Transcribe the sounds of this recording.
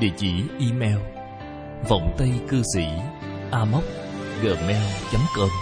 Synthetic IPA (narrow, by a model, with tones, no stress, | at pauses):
ɗḭ˧˨ət͡ɕḭ˧˩ʔi˧mɛ˧w | və̰˧˨wŋ͡mt̪ə˧jkɨ˧sḭ˧˩ | ʔaː˧mə˦˥k͡p̚ | ɣəː˨˩mɛ˧wt͡ɕa˨˦mkəː˧m